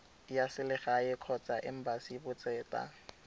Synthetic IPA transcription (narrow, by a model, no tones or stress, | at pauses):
jasɪlɪχaɪkʰɔt͡sʼaʔɪm̩basibʊt͡sʼɛːtʼa̰